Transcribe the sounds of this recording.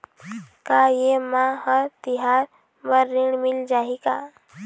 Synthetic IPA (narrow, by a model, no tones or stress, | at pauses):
kajemãhəɾt̪iɦaɾ | bəɾːiɳmild͡ʒaɦika